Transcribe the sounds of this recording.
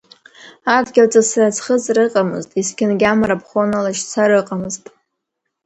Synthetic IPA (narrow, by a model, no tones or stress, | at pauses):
adɡʲalt͡sʼasrat͡sʰχəzʼrɨqʼamɨ̰ztʼiskʲɪnɡʲamaɾapʰχonalaʃt͡sʰaɾɨqʼamɨztʼ